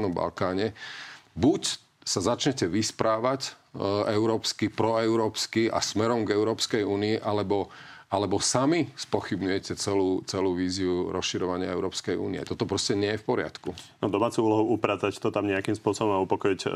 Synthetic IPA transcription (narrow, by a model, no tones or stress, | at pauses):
nɔmba̰lkaːɲɛbuc | sazat͡ʃɲɛcɛʋispɾaːʋacɛʊɾɔːpskipɾɔɛʊɾɔːpskiʔa̰smɛɾɔmɡɛʊɾɔːpskɛjuːniiʔalɛbɔ | alɛbɔsamispɔxibɲujɛcɛt͡sɛluːt͡sɛluːʋiːziuɾɔsʃiɾɔʋaɲɪa̰ɛʊɾɔːpskɛjṵːniɛ̰t̪ɔt̪ɔpɾɔscɛɲɪɛjɛfpɔɾɪa̰t̪kunɔd̪ɔmaːt͡suuːlɔɦuʔupɾaːt͡sact̪ɔt̪amɲɛakimspʊɔsɔbɔmaupɔkɔic